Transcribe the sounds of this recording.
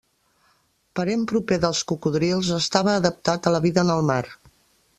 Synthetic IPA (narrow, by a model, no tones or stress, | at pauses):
pəɾempɾupeðəlˠskukuðɾilˠzəst̪aβəːðəp̚t̪at̪ələβiðənəlˠmaɾ